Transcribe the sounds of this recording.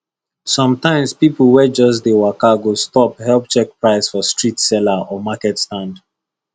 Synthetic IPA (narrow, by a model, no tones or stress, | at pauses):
sɔ̃mtãɪ̃mspipl̩ˠwɛd͡ʒɔs̬dewakaɡostɔphɛlˠp̚t͡ʃɛk̚pɹaɪsfɔstɹitsɛlaʔɔmakɛtstãnd